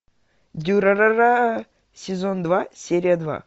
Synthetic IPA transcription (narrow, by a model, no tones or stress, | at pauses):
d̪ʲuɾɐɾaɾa | sʲɪzond̪vasʲeɾʲɪjəd̪va̰